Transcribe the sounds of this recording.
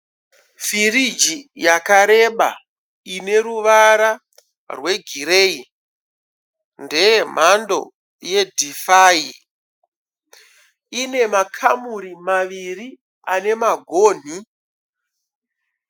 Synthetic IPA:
firid͡ʒijakaɾe̞ɓa̰ | ine̞ɾuʋaɾa | rwe̞ɡʱiɾe̞i | ndejem̤ando̞̰ | je̞dʱifaːi | ine̞makʰamuɾimaʋiri | ane̞maɡʱoːn̤i

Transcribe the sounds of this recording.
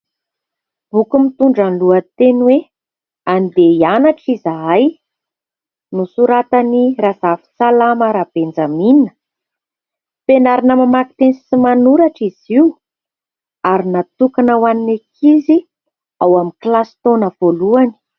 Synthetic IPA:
b̥ukumit̪uɳɖ͡ʐanluət̪enwe | and̪eianaʈ͡ʂizaaj | nusuɾat̪aniɾazafi̥t͡salaməɾab̥end͡zaminə̥ | penaɾinəmamaki̥t̪ensimanuɾaʈ͡ʂiz̥iu | aɾinat̪ukanawaninekʰizi | awamiklasi̥t̪onəv̥oluani̥

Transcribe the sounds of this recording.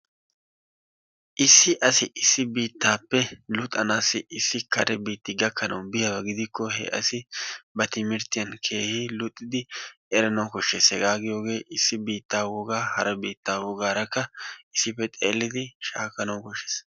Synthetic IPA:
ʔɪsːɪʔɐsɪɪsːɪbiːt̪ːaːpːɛlʊt̪ʼːɐnaːsːɪʔɪsːɪkɐɾɛbiːt̪ːɪɡɐkʰːɐnɐwbɪjɐbɐɡɪd̪ɪkːɔhɛ̰ʔɐ̰sɪbɐt̪ɪmɪɾt̪ɪjɐnkʰeːhilʊt̪ʼːɪd̪ɪɛɾɐnɐwkɔʃːeːsɛɡaːɡɪjo̞ːɡe̞ːʔɪsːɪbiːt̪ːaːwɔɡaːhɐɾɐbiːt̪ːaːwɔɡaːɾɐkːɐɪsːɪpːɛt̪ʼeːlːɪd̪ɪʃaːkːɐnɐwkɔʃːeːs

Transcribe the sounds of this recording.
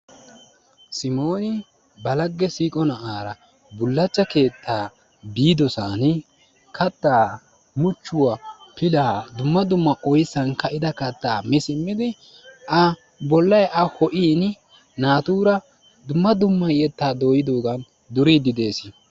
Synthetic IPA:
sɪmo̞ːnɪ | bɐlɐɡːɛsiːkʼɔnɐʔaːɾɐ | bʊlːɐt͡ʃːɐke̞ːt̪ʰːaː | biːd̪ɔsaːn | kʰɐt̪ːaː | mʊt͡ʃːʊwapɪlaːd̪ʊmːɐd̪ʊmːɐʔɔjsɐnkɐɪd̪ɐkɐt̪ːaːmɪsɪmːɪd̪ɪ | ɐ | bɔlːɐjʔɐhɔʔiːn | naːt̪uːɾɐ | d̪ʊmːɐd̪ʊmːɐjɛt̪ːaːd̪o̞ːjɪd̪o̞ːɡɐn | d̪ʊɾid̪ɪd̪e̞ːsɪ

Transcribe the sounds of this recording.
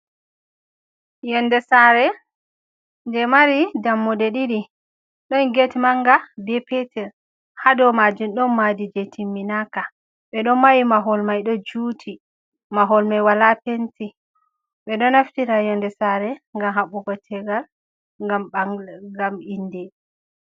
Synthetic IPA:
jɔndɛsaɾɛ | ndɛmaɾidamːudɛɗiɾi | ɗɔnɡetmaŋɡabɛpɛtʰɛɾ | hadɔmad͡ʒumɗɔnːadid͡ʒetʰimːinaka | ɓɛɗɔmawimaɦɔlmajɗɔd͡ʒutʰi | maɦɔlmajwalapenti | ɓɛɗɔnaftiɾajɔndɛsaɾɛŋɡamɦaɓuɡɔtʰɛɡal | ŋɡamɓaɡaminːdɛ

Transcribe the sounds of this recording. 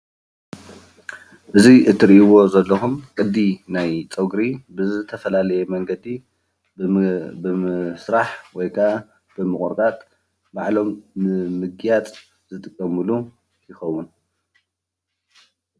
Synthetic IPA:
ʔɨziʔɨt̪ʰːɨɾiʔiwo̞zɐlːɐxumkʼɨd̪ːinajt͡sʼɐɡɾibɨzɨt̪ʰɐfɐlalɐjɛmɐŋɡɐd̪i | ɨsɾaħwɔjkʰa | b̥ɨmɨkʼuɾkʼat̪ʼ | baʕlo̞mnɨmɨɡjat͡sʼ | zɨt̪ʼɨkʼːɐmɨlu | jɪxɐwːʊn

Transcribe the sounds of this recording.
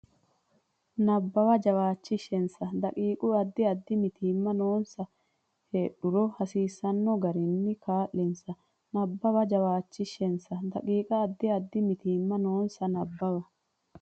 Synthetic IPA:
nɐbːɐwɐd͡ʒɐwaːt͡ʃːɪʃːɛnsɐd̪ɐkʼiːkʼʊɐd̪ːɪɐd̪ːɪmɪt̪iːmːɐnoːnsɐ | heːɗʊɾɔhɐsiːsɐnːɔɡɐɾɪnːɪkaːʔːɪnsɐ | nɐbːɐwɐd͡ʒɐwaːt͡ʃːɪʃɛnsɐd̪ɐkʼiːkʼɐːd̪ːɪɐd̪ːɪmɪt̪iːmːɐnoːnsɐnɐbːɐwɐ

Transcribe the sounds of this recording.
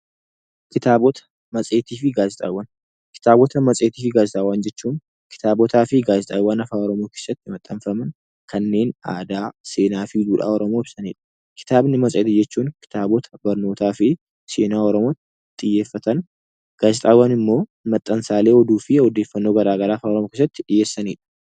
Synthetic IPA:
kɪt̪aːbɔt̪ɐ̥ | mɐsʼe̞ːt̪iːfɪɡaːzɪt̪ʼa̰ːwːɐn | kɪ̥t̪aːbɔt̪ɐmɐt͡sʼe̞ːt̪iːfɪɡaːzɪt̪ʼaːwand͡ʒɛt͡ʃːuːn | kɪ̥t̪aːbɔt̪aːfɪɡaːzɪt̪ʼaːwaːnɐfaːɔɾɔmoːkeːsːɐt̪ːɪmɐt̪ʼːɐnfɐmɐn | kʰɐnːe̞ːna̰ːd̪aːse̞ːnaːfɪd̪uːᶑa̰ːɔɾɔmoːɪb̥sɐniːᶑɐ̥ | kʰɪ̥t̪aːbnɪmɐsʼeːt̪ɪd͡ʒɛt͡ʃːuːnkɪ̥t̪aːbɔt̪ʰɐ̥bɐɾno̞ːt̪aːfɪ | se̞ːnaːɔɾɔmoːt̪ | t̪ʼːɪjːe̞ːfːɐt̪ɐn | ɡ̥aːzɪt̪ʼaːwːanɪmːo̞ːmɐt̪ʼːɐnsaːle̞ːɔd̪uːfɪɔd̪e̞ːfːɐnːoːɡɐɾaːɡɐɾaːfaːɔɾɔmoke̞ːs̬ːɐt̪ːɪᶑɪjːeːsːɐniːᶑɐ̥

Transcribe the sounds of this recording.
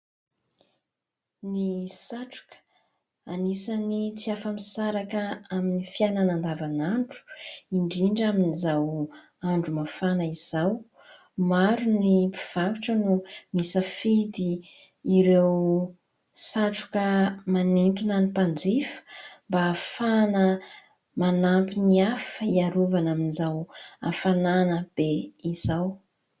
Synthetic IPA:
nisaʈ͡ʂu̥kə̥ | anisanit͡siafəmisaɾakəaminifiananand̪avanaɳɖ͡ʐu̥iɳɖ͡ʐiɳɖ͡ʐaminizaw | aɳɖ͡ʐumafanaiz̥aw | maɾunipi̥v̥akuʈ͡ʂənumisəfid̪iː | iɾew | saʈ͡ʂu̥kəmanint̪unanipand͡zifə̥mbafanə | manampiniafəiaɾuvanaminizawafananəb̥eiz̥aw

